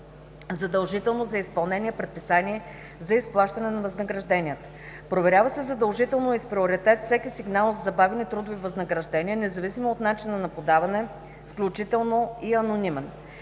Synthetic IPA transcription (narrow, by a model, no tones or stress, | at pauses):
zɐd̪ɐlˠʒit̪ɛlˠnozɐispɐlˠnɛnʲiəpɾɛt̪pisaniɛ | zɐisplˠaʃt̪ɐnɛnɐvɐznəɡɾɐʒd̪ɛnʲiət̪ | pɾovɛɾʲavɐsɛzɐd̪ɐlˠʒit̪ɛlˠnoispɾioɾit̪ɛt̪fsʲɛkisiɡnalˠzɐzɐbavɛnit̪ɾud̪ʊvivɐznɐɡɾɐʒd̪ɛnʲiənɛzɐvisimoːt̪nat͡ʃinɐnɐpod̪avɐnɛ | fklʲut͡ʃit̪ɛlˠnoiɐnonimɛn